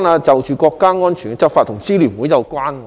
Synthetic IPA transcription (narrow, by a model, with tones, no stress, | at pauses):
naː˧t͡sɐ˨wt͡ʃyː˨˩kɔː˧kːaː˥ŋɔː˥nt͡ʃʰyː˨˩ɡt͡sɐ˥p̚faː˧t̪ʰʊ˨˩ŋt͡siː˥liː˨˩nwuː˨˥jɐ˨˧wkwaː˥n